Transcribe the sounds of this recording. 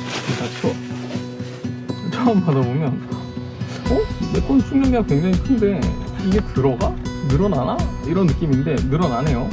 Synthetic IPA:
kat͡ɕʰo | t͡ɕʰʌmpadabomjʌn | ʌmep͈onsʰumjʌŋɲaŋkweŋd͡ʑaŋikʰɯnde̞iɡe̞tɯɾʌɡanɯɾʌnanaiɾʌnːɯk͈iminde̞nɯɾʌnane̞jo

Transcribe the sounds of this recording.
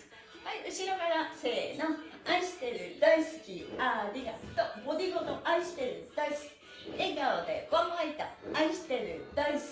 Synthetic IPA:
haiɯɕiɾoɡaɾase̞ːnoaiɕi̥t̪e̞ɾɯ̟d̪aisɨ̥kʲiaɾʲiɡḁt̪obo̞d̪ʲiɡo̞noʔaiɕi̥t̪e̞ɾɯ̟d̪̥aisɨ̥kʲi̥ | eɡaod̪e̞̰bãmait̪aaiɕi̥t̪e̞ɾɯ̟d̪ais

